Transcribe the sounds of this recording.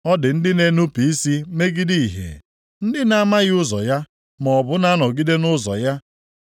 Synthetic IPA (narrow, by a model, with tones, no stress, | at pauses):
ɔ˦dɪ˨n̩˦dɪ˦ne˦nu˦pi˨i˦si˦me˦ɡi˦di˦i˨ɦḛ˨ | n̩˦dɪ˦na˦a˦ma˦ɣɪ˦ʊ˦zɔ˨ja˦ | mɔ˨bʊ˨na˦nɔ˨ɡi˦de˦nʊ˦zɔ̰˨ja˦